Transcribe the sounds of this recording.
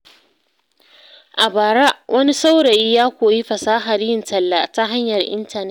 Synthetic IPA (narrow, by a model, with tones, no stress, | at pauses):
ʔa˨baː˨ɾa˦ʔwʔɐ˦ni˦sa˦wɽa˨ji˦jaː˦kʷoː˨ji˦ɸɐ˨saː˦ɦa˨ɾɪ˨ntɐ˨lːa˦ta˦ɦa˦ɲjɐ˨rʔɪ̰˦ntɐ˨nɛ˦